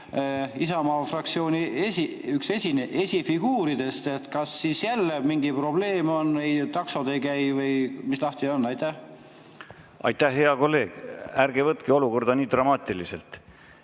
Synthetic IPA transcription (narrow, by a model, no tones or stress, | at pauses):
isɑmɑːfrɑk̚t̪sio̞ːnʲiesi | yksesʲineʔe̞sʲifiɡ̥uːɾid̪̥e̞st̪e̞t̪kɑsːisjælːemiŋɡipro̞ble̞ːmo̞nːejt̪ɑksod̪ejkæjvɤjmislɑht̪ionːɑjt̪æh | ɑ̰jt̪ːæhɦeɑko̞lːe̞ːɡ̥æɾɡ̥evɤt̪keo̞luko̞rd̪̥ɑniːd̪̥ɾɑmɑːt̪ʲilisḛlt̪